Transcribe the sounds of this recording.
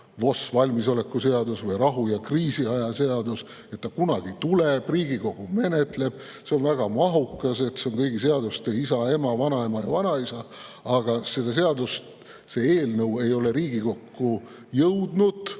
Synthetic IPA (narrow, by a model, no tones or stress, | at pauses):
vo̞svɑlʲmiso̞le̞kːˑuse̞ɑd̪usvɤjrɑɦujɑkriːsiɑjɑseɑd̪us | et̪ːɑkunɑɡ̥it̪uleb̥riːɡiko̞ɡ̥ume̞net̪le̞b̥ | se̞onvæɡ̥ɑmɑɦukːˑɑse̞t̪se̞o̞ŋkɤjɡis̬e̞ɑd̪ust̪eisɑe̞mɑvɑnɑe̞mɑjɑvɑnɑisɑɑɡ̥ɑse̞d̪̥ɑs̬e̞ɑd̪ust̪ | se̞eːlnɤwe̞jo̞le̞ɾiːɡ̥iko̞kːu | jɤwd̪̥nud̪̥